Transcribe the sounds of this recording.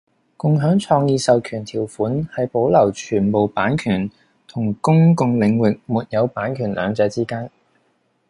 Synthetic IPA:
kʊ˨˧ŋɦœː˨˥ŋt͡ʃʰɔː˧ŋjiː˧sɐ˨˧wkʰyː˨˩nt̪ʰiː˨˩wfuː˨˥nhɐ˨jpo˨˥wlɐ˨˩wt͡ʃʰyː˨˩npo˨wpaː˨˥nkʰyː˨˩n | t̪ʰʊ˨˩ŋkʊ˥ŋkʊ˨ŋlɪ˨˧ŋwɪ˨k̚muː˨˩t̚jɐ˨˧wpaː˨˥nkʰyː˨˩nlʔœ̰ː˨˧ŋt͡sɛː˨˧t͡siː˥kaː˥n

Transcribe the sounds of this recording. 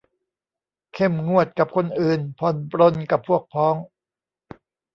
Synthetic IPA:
kʰe˥˩mŋu˥˩ət̪̚ka˨˩p̚kʰo˧nʔɯː˨˩npʰɔ˨˧˩npɾo˧nka˨˩pʰːu˥˩ək̚pʰɔː˦˥ŋ

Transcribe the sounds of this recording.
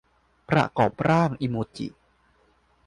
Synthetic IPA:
pɾa̰˧kɔː˨˩pɾaː˥˩ŋʔi˧moː˧t͡ɕḭ˨˩

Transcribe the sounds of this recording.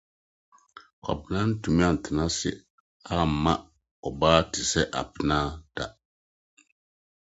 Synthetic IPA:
ka̰˨pla˦n˦tu˨mi˦a˦˨n̩˨ti˨na˦sɪ̰˦ | a˦˨ma˦ | ɔ˨baː˦ti˨sɛ˦ʔa̰˨pɨ˨na˦d̥a˨

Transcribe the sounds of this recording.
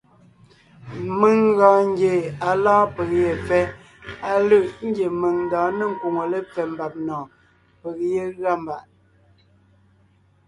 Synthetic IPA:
mə˨ŋɣãː˨ŋ˦ɡje˨a˨lãː˦pə˨k̚je˨fɛ˦ | a˨lə˦˨ʔŋ̩˦ɡje˨mə˨ŋn̩daː˨˦nə˦ŋ̩˨ku˨ŋo˨lə˦p͡fɛ˨m˨ba˨p̚nɔː˨ | pə˨k̚je˦ɣa˦˨m˨ba˨ʔ

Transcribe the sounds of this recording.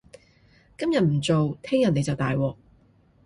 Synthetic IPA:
kɐ˥mjɐ˨t̚m̩˨˩t͡so˨wt̪ʰɛː˥ŋjɐ˨n̚ne˨˧jt͡sɐ˨wt̪aː˨jwɔː˨k̚

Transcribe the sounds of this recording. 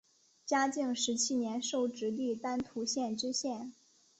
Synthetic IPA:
t͡ɕja˥t͡ɕi˥˩ŋʂɻ̩˧˥t͡ɕʰi˥njɛ˧˥nʂo˥˩ʊʈ͡ʂɻ̩˧˥li˥˩t̪a˥nt̪ʰu˧˥ɕjɛ˥˩nʈ͡ʂɻ̩˥ɕjɛ˥˩n

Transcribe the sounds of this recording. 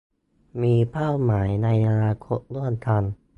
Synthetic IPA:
miː˧pʰaː˥˩wmaː˩˦jna˧ja˧ɾaː˧kʰo˨˥t̚lu˥˩ənt̪ʰa˧n

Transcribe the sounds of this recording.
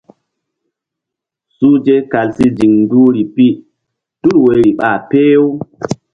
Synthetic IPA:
suː˦d͡ʒe˦ka˨lsi˦d͡ʒi˨ŋnduː˦ɾi˨pi˦ | tu˦lwe˨ɾi˨ɓa˨pe˦jo˦w

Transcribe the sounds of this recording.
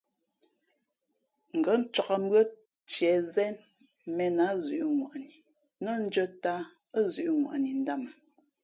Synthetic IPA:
ŋ̩˨ɡɔ˨˦n̩˦t͡ʃɔ˨ka˨mbɰə˦ | t͡ʃjɛ˨zɛ˦n | mɛ˨na˨˦zʉ˨ʔŋwa̰˨ʔni˨ | nə˦n̩˦d͡ʒə˦ta˦ | ə˦zʉ˨ʔŋwa̰˨ʔni˨n̩˦da˦˨m˨

